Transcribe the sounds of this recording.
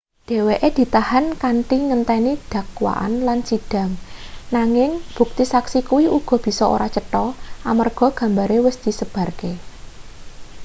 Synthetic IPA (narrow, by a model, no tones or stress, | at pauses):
d̪̥e̤weʔed̪̥i̤t̪ahankanʈiŋənt̪ɛnid̪̥ä̤kwa̰ʔa̰nlansid̥a̤ŋnaŋɪŋb̥ṳk̚t̪isaksikuwiuɡ̥ɔ̤b̥i̤sɔo̰ɾat͡ʃəʈɔʔamarɡ̥ɔ̤ɡ̥ä̤mbaɾewəsd̪̥i̤səb̥a̤rke